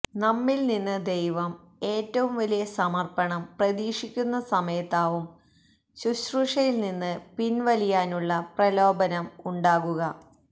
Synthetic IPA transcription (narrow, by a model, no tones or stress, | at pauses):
nɐmːilninːɨd̪ejʋɐm | e̞ːtːɐʋumʋɐlijɐsɐmɐrpɐɳɐmprɐðiːʂikʲːunːɐsɐmɐjɐt̪ːaːʋum | ɕuɕruʂɐjilninːɨpinʋɐlijaːnuɭːɐprɐlo̞ːbɐnɐmuɳɖaːɣuɣɐ